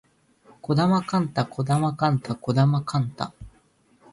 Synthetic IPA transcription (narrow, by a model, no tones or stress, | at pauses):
ko̞d̪amakãnt̪ako̞d̪amakãnt̪ako̞d̪amakãnt̪a̰